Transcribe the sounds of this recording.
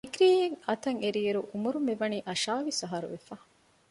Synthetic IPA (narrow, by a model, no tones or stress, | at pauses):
ikɾiːjeŋɐt̪ɐŋeɾieɾuʔumuɾumeʋɐniːʔɐʃaːʋisɐɦɐɾṵʋefaː